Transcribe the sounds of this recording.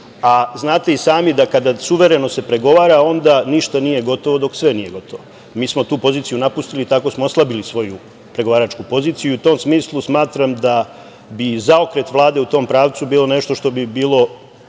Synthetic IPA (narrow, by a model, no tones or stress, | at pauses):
aznaːt̪e̞isaːmid̪akad̪asuʋe̞ɾe̞no̞se̞pɾe̞ɡo̞ʋaːɾao̞nd̪aniʃt̪anije̞ɡo̞t̪o̞ʋo̞d̪o̞ksʋenije̞ɡo̞t̪ʰoʋo | miːsmot̪uːpo̞ziːt̪sijunapust̪ilit̪ako̞smooslˠabilisʋo̞ju | pɾe̞ɡo̞ʋaːɾat͡ʃkupo̞ziːt̪siiuut̪o̞msmiːslˠusmaːt̪ɾamd̪a | bizaokɾe̞t̪ʋlˠaːd̪e̞ut̪o̞ːmpɾaːʋt̪subiːlo̞neʃt̪o̞ʃt̪o̞bibiːlˠo̞